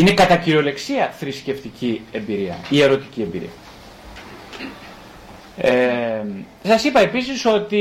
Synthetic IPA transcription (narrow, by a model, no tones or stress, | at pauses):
ine̞kɐt̪ɐciɾo̞le̞ksiɐθɾisce̞ft̪icie̞mbiɾiɐ̰ie̞ɾo̞t̪icie̞mbḭɾḭɐ | e | sɐsipɐe̞pisiso̞t̪i